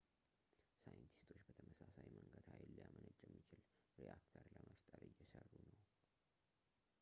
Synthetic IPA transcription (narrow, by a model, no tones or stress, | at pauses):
sajənt̪ʰi̥st̪ʰo̞t͡ʃːbət̪ʰəməsasajməŋɡəd̪hajlːijamənəd͡ʒʼːjɛmːit͡ʃɪl | ɾiʔakt̪ʰəɾləməft̪ʼəɾɨjːɛsərːunəw